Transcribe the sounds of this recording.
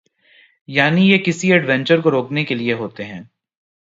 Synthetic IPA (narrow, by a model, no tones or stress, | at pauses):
jaːnijekɪsiɐɖʋɛ̃ːɲt͡ʃəɾkoɾoːknekelieɦoːt̪eɦɛ̃ː